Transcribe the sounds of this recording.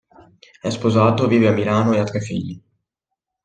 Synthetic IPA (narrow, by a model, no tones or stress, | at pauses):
ɛspozaːt̪ovivjamiɾaːnojat̪rɛfḭɲi